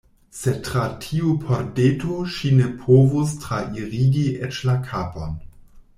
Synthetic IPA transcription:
setɾatʰiupʰoɾdetoʃinepʰovustɾaʔiɾiɡiʔet͡ʃlakʰaːpon

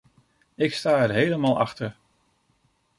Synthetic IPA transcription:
ɪkstaːɛɹɦejləmaːlˠʔɑ̰χtəɹ

